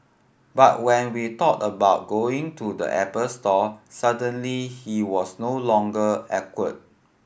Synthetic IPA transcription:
ba̰t̚wɛ̃nwitɔtəbaʊt̚ɡoɪ̃ŋtʰudə̰ʔɛpəlstɔsadə̃nlihiwɔsnolɔ̃ŋɡəɛkwət̚

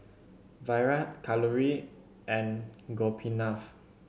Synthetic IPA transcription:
vajɹatkʰaləɹi | ʔɛ̃nɡɔpʰinaf

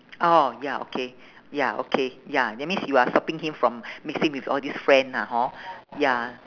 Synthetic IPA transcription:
ʔojaʔo̰kʰe | jaʔo̰kʰejaɛmĩnsjuastɔpĩŋhĩmfɹɔ̃mmiksĩŋwifɔldisfɹɛ̃ndaɦɔ̃ja

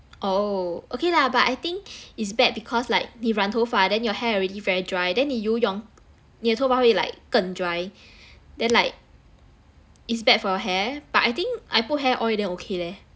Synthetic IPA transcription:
ʔookelabatajt̪ĩŋkitsbɛt̚bikʰɔslaɪk̚niɹãntʰofadɛ̃njɔhɛɔɹɛdivɛɹidɹajdɛ̃nhijujɔ̃ŋ | niətʰofaaila̰ɪkːə̃ndɹaj | dɛ̃nlaɪk̚ | itsbɛt̚fɔjɔɦɛb̥at̚ajt̪ĩŋkʔajput̚ɦɛʔɔlidɛ̃nokʰelɛ

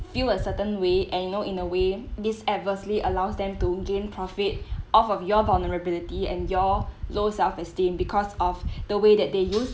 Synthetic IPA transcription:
filəsətə̃nweʔɛ̃njnoʔĩnəwedisɛt̚vəsliʔəlaʊsdɛ̃mtuɡẽnpʰɹɔfit̚ʔɔfɔfjɔvalnəɹəbilitiɛ̰̃njɔlosɛlfɛstĩmbikʰɔsɔfd̥əwedɛt̚dejus

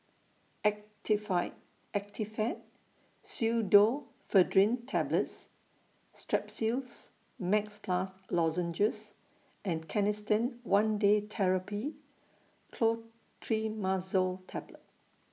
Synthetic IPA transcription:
ɛktifaɪt | ɛk̚tʰifɛt̚ | sudo | fədɹĩntʰɛbləts | stɹɛpsils | mɛkspʰlaslɔzə̃nd͡ʒəs | ʔɛ̃nkʰɛnɪstə̃nwãndetʰɛɹəpi | kʰlo | tʰɹimazəltʰɛblət̚

